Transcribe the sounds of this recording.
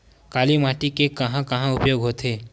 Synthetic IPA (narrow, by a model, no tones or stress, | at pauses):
kaːlimaːʈikekɐɦãkɐɦãʊpjoːɡɦoːt̪ʰeː